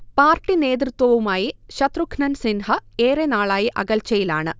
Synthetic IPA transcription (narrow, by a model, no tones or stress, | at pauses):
paːrʈːine̞ːd̪̬rɨt̪wɐʋumaːjiɕɐt̪rukʰnɐnsinhɐeːɾenaːɭaːjiʔɐɣɐlt͡ɕɐjilaːɳɨ